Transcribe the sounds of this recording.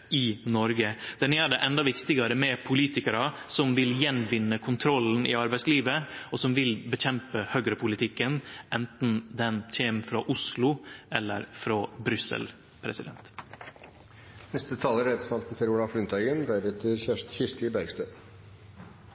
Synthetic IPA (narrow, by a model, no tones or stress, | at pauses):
ɪnɔɾɡəd̪̥ɛnæɖɛʔɛnd̪ɑʋɪkt̪ɪɡɑɾəmɛpʰʊliːt̪ɪkəɾɑsɔmʋɪljɛnʋɪnːəkʰʊnt̪ʰɾɔln̩ɪ̰ɑɾbæɪsliːʋəɔsɔmʋɪlbəçɛmpəhøːɡɾəpʰʊlɪt̪ʰɪkːənʔɛnt̪n̩d̪ɛnc͡çeːmfɾɑʔʊslʊʔɛlːə̰ɾfɾobɾʏsə̰l | pʰɾɛsɪd̪ɛ̰nt̪ | nɛst̪ət̪ʰɑːləɾɛt̪smɑlt̪n̩t̪ʰɪluːɾɑfɾʏnt̪ʰɑɡənd̪æːɾɛt̪ːəɾçɪʂt̪ɪbæɾɡst̪øː